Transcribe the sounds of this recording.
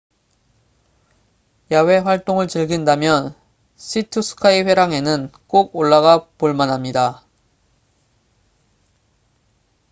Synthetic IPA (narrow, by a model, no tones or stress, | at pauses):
jawe̞ɸwaɭt͈oŋɯɭt͡ɕɯɭɡindamjʌn | ɕʰitʰusʰɯ̥kʰaiɸwe̞ɾaŋe̞nɯnk͈oɡ̚oɭːaɡapuɭmanɦamɲida